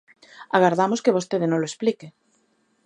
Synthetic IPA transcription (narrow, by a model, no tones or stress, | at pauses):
aɣaɾðamoskeβost̪eðenõloesplike